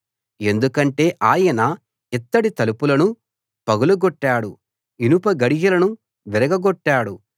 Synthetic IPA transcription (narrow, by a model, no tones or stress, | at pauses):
e̞nd̪ukɐɳʈe̞ːʔaːjɐnɐ | it̪ːɐɽit̪ɐlupulɐnu | pɐɡuluɡɔʈːaːɽu | inupɐɡɐɽiɡɐlɐnu | ʋiɾɐɡɐɡɔʈːaːɽu